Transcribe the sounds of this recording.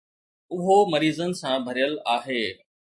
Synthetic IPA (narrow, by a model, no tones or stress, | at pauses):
ʊɦomɐɾiːzənɪ̆sãbʱɐɾijəlaːɦeː